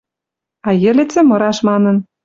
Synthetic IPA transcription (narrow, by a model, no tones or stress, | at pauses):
ɑjɘ̆lĕt͡sĕmɤ̆ɾɑʃmɑnɤ̆n